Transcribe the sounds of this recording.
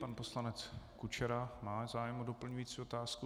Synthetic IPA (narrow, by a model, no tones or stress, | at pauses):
panpo̞slanɛt͡skut͡ʃɛɾamaːzaːjɛmodo̞pl̩ɲujiːt͡siːot̪aːsku